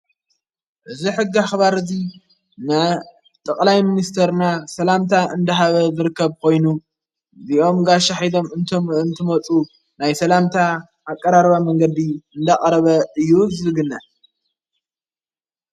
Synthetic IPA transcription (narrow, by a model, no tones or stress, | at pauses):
ʔɨziħɨɡːaxβaɾɨzi | nɐ | t̪ʼɐkʼlajminist̪ʰɐɾnasɐlamt̪ʰaʔɨnd̪ɐɦaβɐzɨɾɨkːɐβkʰo̞jnu | ziʔo̞mɡaʃaħid̪o̞mɨnt̪ʰomɨnt̪ʰɨmɐt͡sʼu | najsɐlamt̪ʰa | ʔakʼːɐɾaɾβamɐŋɡɐd̪iɨnd̪akʼɾɐβɐɨjːuzɨɨɡɨnːa